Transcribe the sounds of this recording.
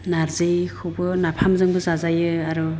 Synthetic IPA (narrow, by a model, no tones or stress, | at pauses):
naɾzejkʰɯwbɯnapʰamzɯŋbɯzazajɯaɾɔ